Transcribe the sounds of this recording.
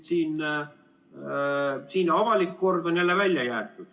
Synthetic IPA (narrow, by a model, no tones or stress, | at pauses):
siːn | siːnɑvɑlikːo̞rd̪onʲjælːevælʲjɑjæːt̪ːˑud̪̥